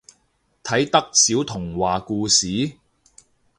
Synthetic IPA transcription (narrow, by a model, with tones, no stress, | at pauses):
t̪ʰɐ˨˥jt̪ɐ˥k̚siː˨˥wt̪ʰʊ˨˩ŋwaː˨kuː˧siː˨˥